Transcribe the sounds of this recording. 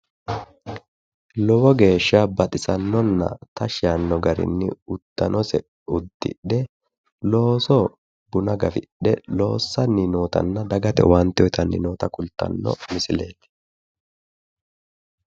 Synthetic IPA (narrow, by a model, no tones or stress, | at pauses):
lɔwɔɡe̞ːʃːabɐt̪ʼɪsɐnːɔnːɐ̰t̪ɐʃɐnːɔɡɐɾɪ̰nːɪʊd̪̥ːɐnɔsɛ | ʊd̪ːɪ̰ɗɛ | lo̞ːsɔ | bʊnɐɡɐfɪɗɛlo̞ːsːɐnɪnoːt̪ɐ̰nːɐd̪ɐɡɐt̪ɛ̰wɐnt̪ːɔjt̪ɐnːɪ̰noːt̪ɐkʊlt̪ːɐ̰nːɔ̰mɪsɪleːt̪